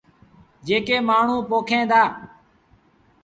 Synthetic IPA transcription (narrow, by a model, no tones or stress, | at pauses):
d͡ʒeːkeːmaːɳ̤ũːpoːkʰẽːd̪aː